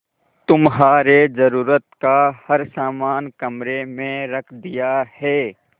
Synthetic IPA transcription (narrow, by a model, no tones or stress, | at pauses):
t̪ʊmɦaːɾed͡ʒɐɾuːɾət̪kahɐɾsaːmaːnkɐmɾemẽɾɐkʰd̪ijahɛː